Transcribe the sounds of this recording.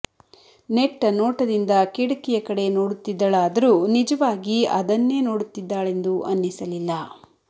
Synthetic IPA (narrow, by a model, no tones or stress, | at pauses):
ne̞kʈɐnoːʈɐd̪ind̪ɐkiɽɐkijɐkɐɽe̞no̞ːɽut̪ːid̪ːɐɭaːd̪ɐɾuːnid͡ʒɐʋaːɡiɐ̰d̪ɐnːe̞ːnoːɽut̪ːid̪ːaːɭe̞nd̪uʔɐnːisɐlilːɐ